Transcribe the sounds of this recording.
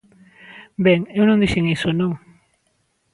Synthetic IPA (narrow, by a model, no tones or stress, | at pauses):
beŋewnond̪iʃiŋejsono